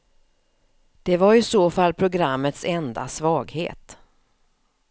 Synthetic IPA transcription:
d̪̥ɛvaɾɪsoːfalːpʰɾʊɡɾamːət̪sɛnd̪a̰svɑːɡhḛːt̪

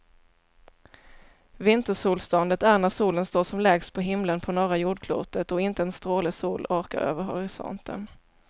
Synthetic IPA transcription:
vɪnt̪əʂuːlst̪ɔnd̪ət̪æɳæʂuːlənst̪oːʂɔmlɛːɡspʰɔɦɪmlənpʰɔnɔːɾajuːɖ̚kʰlṵːt̪ət̪ɔɪnt̪əɛnst̪ɾoːlɪsuːlɑːɾka̰ɾø̰ːvəɾɦɔ̰ɾɪsɔ̰nt̪ʰə̰n

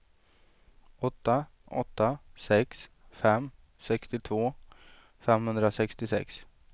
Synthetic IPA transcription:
ɔt̪ːaʔɔ̰t̪ːasɛks | fɛmː | sɛkst̪ɪt̪ʰvoː | fɛmhɵnd̪ɾasɛkst̪ɪsɛ̰ks

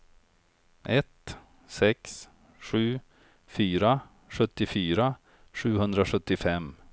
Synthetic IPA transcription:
ʔɛt̪ | sɛks | ɧʉ̟ː | fyːɾa | ɧɵt̪ːɪfyːɾa | ʂʉ̟ːɦɵnd̪ɾaɧɵt̪ːɪfɛm

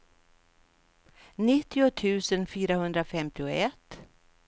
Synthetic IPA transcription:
nɪt̪ʰːɪʊt̪ʰʉ̟ːsənfyːɾahɵnd̪ɾafɛmt̪ɪʊɛt̪ː

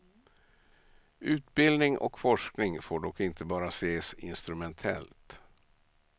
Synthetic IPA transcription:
ʉ̟ːt̪̚bɪld̪nɪŋʔɔ̰kfɔʂknɪŋfoːɖɔkːɪnt̪ʰəbɑːɾaseːsɪ̰nst̪ɾɵmɛnt̪ʰɛ̰lt̪

